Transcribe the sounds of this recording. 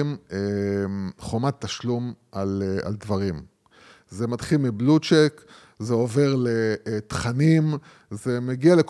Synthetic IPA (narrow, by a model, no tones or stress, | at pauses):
me | χomat̪ːaʃlumʔala̰ld̪vaʁim | ze̞mat̪χilmiblut͡ʃek | zeo̞ve̞ʁlet̪χanim | ze̞meɡialek